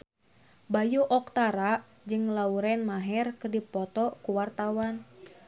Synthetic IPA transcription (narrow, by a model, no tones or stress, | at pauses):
bajuʔɔk̚t̪aɾa | d͡ʒɨŋlauɾɛnmaɦɛrkɨrdipɔt̪ɔkuwart̪awan